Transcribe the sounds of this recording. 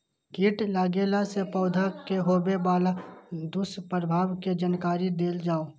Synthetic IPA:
ɡiʈlaːɡeːlasepɔːʊd̪ʱakeɦoːbebaːlad̪ʊspɾəbʱaːwked͡ʒənkaːɾid̪eːld͡ʒaːo

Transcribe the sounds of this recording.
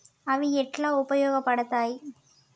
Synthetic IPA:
ɐʋiɛʈːlaːʊpɐjoːɣɐpːɐɽɐt̪ːaːj

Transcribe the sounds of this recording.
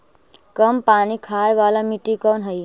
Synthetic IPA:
kəmpañikʰajʋalamiʈikənɦəj

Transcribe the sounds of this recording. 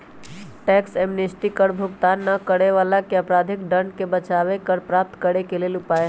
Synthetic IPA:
ʈɛksemnesʈikəɾbʱʊɡt̪aːnːəkəɽeʋaːlakeəpɾaːd̪ʱɪkɖəɳɖkebət͡ʃaʋekəɾpɾap̚t̪kəɾekeleːlʊpaːe

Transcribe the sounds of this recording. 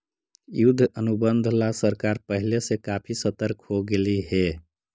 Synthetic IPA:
jʊd̪ʱːənubənd̪ʱlasəɾkaːɾpəɦɪlesekaːpʰisət̪əɾkɦoɡeliɦɛ

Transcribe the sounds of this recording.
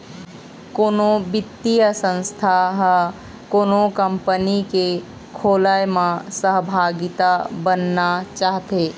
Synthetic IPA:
koːnõbɪt̪ːijəsə̃nst̪ʰaɦ | koːnõkəmpənike | kʰoːlajmãsəɦbʱaːɡɪt̪abənːat͡ʃaːɦt̪eː

